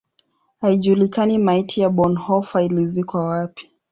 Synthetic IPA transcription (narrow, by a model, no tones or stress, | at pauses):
haiʄuːlikanimaitʰijaɓɔnhɔfailizikwawapi̥